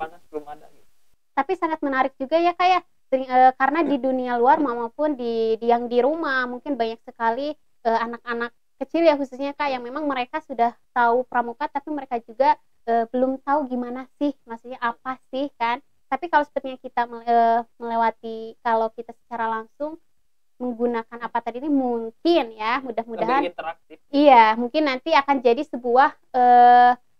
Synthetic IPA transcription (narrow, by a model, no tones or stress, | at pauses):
aŋabəlumada | t̪apisaŋat̪̚mənaɾɪk̚d͡ʒuɡajakaja | səɪŋəːkaɾənadidunialuarmamapʊndidijaŋdiɾumahmuŋkɪnbaɲaksəkali | əanak̚anakːət͡ʃɪljaɦususɲakajaŋmemaŋməɾekasudaht̪aupəɾamukat̪ːapiməɾekad͡ʒuɡa | ʔəbəlʊmt̪auɡimanasɪhmaksuɲaʔapasɪhkan | t̪apikalawsə̥bət̪̚ɲakit̪aməməlewat̪ikalowkit̪asə̥t͡ʃaɾalaŋsʊŋ | məŋɡunakanapat̪adiːnimuŋkɪnjamudahmudaɦant̪əak̚t̪ɪijamuŋkɪnːant̪iakand͡ʒadisəbuah | əː